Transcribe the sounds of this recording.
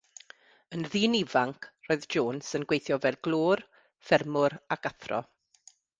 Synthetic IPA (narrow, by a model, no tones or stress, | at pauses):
ənðiːnivaŋkʰroːɨðd͡ʒoːnsənɡwejθjɔvɛlˠɡlˠoːr | fɛrmʊɾakaθrɔ̰